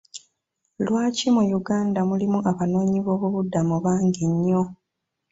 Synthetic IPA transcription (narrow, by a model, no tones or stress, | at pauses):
lwaːcimujuɡaːndamulimuʔaβano̞ːɲiβo̞ːβuβudːamuβaːŋɡiɲːo̞